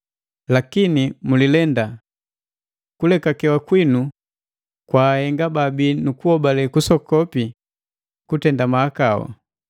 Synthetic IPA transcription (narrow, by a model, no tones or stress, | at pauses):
lakinimulilɛnda | kulɛkakɛwakwinu | kwaːhɛŋɡababinukuhɔbalɛkusɔkɔpi | kutɛndamaakawɔ̰